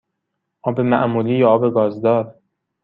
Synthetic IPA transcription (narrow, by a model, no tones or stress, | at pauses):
ʔɒːbe̞mæ̰ʔmuːliːjɒːɒːbeɡɒːzd̪ɒːɾ